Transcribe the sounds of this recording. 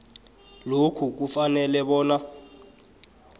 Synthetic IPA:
lokʰuk̬ufanɛlɛɓɔːna

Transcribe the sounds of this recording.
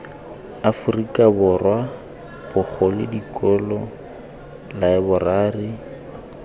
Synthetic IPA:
afʊrikʼabʊrwa | bʊk͡xʰɔlɪdikʼɔlɔ | laɪbʊraːri

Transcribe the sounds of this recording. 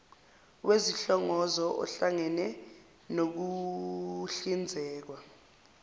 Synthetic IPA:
weziɬɔŋɔzɔʔɔ̰ɬaŋɛnɛ | nok̬u | ɬind͡zʱɛːk̬wa

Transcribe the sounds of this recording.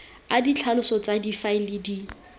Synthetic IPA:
adit͡ɬʰalʊsɔt͡sadifaɪlɪdi

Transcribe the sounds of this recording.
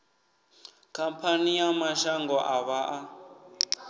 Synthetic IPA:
kʰampʰanijamaʃaŋɡɔʔaβaʔa

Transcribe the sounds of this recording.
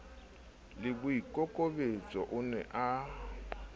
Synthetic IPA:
lɪbʊikʼɔkʼobet͡sʼɔʔʊnɛ̰ʔa

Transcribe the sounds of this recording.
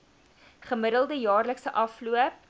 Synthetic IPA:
χəməɾəlˠdəjɑːrləksəʔɐfluəp̚

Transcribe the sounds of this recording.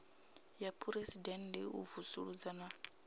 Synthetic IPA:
japʰuɾesidɛndɛ̰ṵvusuɺud͡zana

